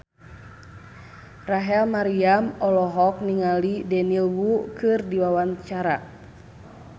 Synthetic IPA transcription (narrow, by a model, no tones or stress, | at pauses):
raɦɛlmaɾiamɔlɔɦɔk̚niŋalidɛnilwukɨrdiwawaɲt͡ʃaɾa